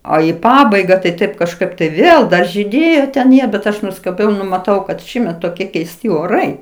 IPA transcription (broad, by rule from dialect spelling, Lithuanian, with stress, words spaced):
oː ɪ ˈpɑːbɐɪɡɐ tɐɪ tɐɪp kɐʃˈkɐɪp tɐɪ ˈʋʲeːlˠ ˈdɐ ʒʲiːˈdʲeːjoː tʲɛn ˈjiɛ bʲɛt ˈɐʃ nʊskɐˈbʲɛʊ ˈnʊ mɐˈtɐʊ kɐt ˈʃʲiːmʲɛt toːˈkʲiɛ kʲɛɪsʲˈtʲɪ oːˈrɐɪ